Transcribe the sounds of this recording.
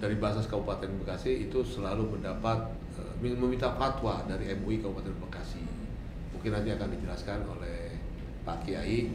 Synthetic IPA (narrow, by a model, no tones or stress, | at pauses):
daɾibaasaskaupat̪ɛnbəkasihit̪usəlaluməndapat̪̚ | ə̰miməmint̪afat̪wadaɾiɛmuikaupat̪ɛnbəkasi | muŋkɪnant̪̬iakandid͡ʒəlaskano̰lɛh | pakia̰i